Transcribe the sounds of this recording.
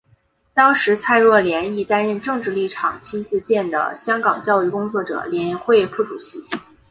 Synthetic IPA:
t̪ɑ˥ŋʂɻ̩˧˥t͡sʰa˥˧ɪɻwɔ˥˩ljɛ˧˥ni˥˩t̪a˥nɻə˥˧nʈ͡ʂɤ˥˧ŋʈ͡ʂɻ̩˥˧li˥˩ʈ͡ʂʰɑ̰˨˩ŋt͡ɕʰi˥nt͡sɹ̩˥˧t͡ɕjɛ˥˩nd̪ə̰˩ɕjɑ˥ŋkɑ˨˩ŋt͡ɕjɑ˥˧ʊy˥˩kʊ˥ŋt͡swɔ˥˩ʈ͡ʂɤ̰˨˩ljɛ˧˥nɛ˧˥nxwe˥˧ɪfu˥˩ʈ͡ʂu˨˩ɕi˧˥

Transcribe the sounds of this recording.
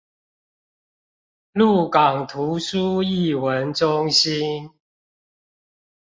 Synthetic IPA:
lu˥˨kɑ˨˩ŋt̪ʰu˨˦su˦i˥˨wə˨˦nʈ͡ʂʊ˦ŋɕi˦n

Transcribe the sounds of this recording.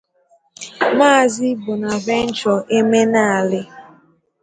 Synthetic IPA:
maː˦˨zɪ˦bʊ˨na˨vɛ˦n̩˦t͡ʃɔ˨ʔe˦me˦na˦˨a˨lɪ˦

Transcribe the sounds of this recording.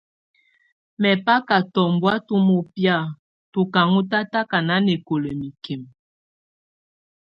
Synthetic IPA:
mɛ˨pa˦ka˨tɔ˨m˨bwa˦tu˦mo˦pja˦˨ | tu˨ka˨ŋu˦ta˦ta˦ka˨na˦ne˨ko˨le˨mi˨ke˨m

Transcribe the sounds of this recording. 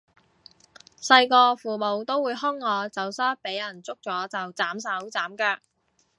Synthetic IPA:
sɐ˧jkɔː˧fuː˨˩mo˨wt̪o˥wuː˨˧jɦʊ˥ŋːɔː˨˧t͡sɐ˨wsaː˥pe˨˥jɐ˨˩nt͡sʊ˥k̚t͡sɔː˨˥t͡sɐ˨wt͡saː˨˥ms̬ɐ˨˥wt͡saː˨˥mkaː˧

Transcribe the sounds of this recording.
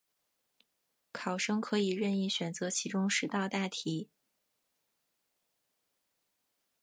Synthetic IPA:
kʰɑ˨˩ʊʂɤ˥ŋkʰɤ˧˥i˨˩ɻə˥˧ni˥˩ɕɥɛ˨˩nt͡sɤ˧˥t͡ɕʰi˧˥ʈ͡ʂʊ˥ŋʂɻ̩˧˥t̪ɑ˥˧ʊt̪a˥˩t̪ʰi˧˥

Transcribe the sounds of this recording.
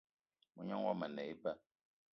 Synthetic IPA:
mu˨ɲɔ˦ŋwɔ˦mə˨nɛ˨i˦pa˦˨

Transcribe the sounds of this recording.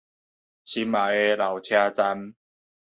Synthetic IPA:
ɕi˦ma˨˩e˦la˨wt͡ɕʰja˦t͡sa˦m

